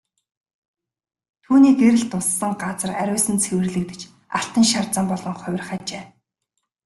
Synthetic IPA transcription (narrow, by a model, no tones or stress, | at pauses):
t̪ʰuːniːɡeɾɘ̆ɮt̪ʊsːə̆ŋɢat͡sə̆ræɾʲʊːsɘ̆nt͡sʰewɘ̆rɮɘ̆k̚t̪ɘ̆t͡ɕ | aɬt̪ə̆ŋʃart͡sə̆mpɔɮɞ̆ŋχʊ̟wʲrχæːt͡ɕeː